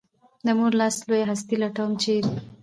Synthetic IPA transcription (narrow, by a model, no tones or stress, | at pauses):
d̪əmuɾlɑslojaɦast̪ilaʈawmt͡ʃe